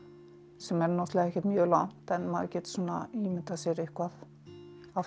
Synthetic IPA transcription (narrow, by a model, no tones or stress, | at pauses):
sɛmɛɾnɔht̪lɛɣɛhcɛt̪mjœːlan̥t̪ɛnːmaðcɛːt̪suːnːa̰imɪt̪asɛɾɪhkʰvað | af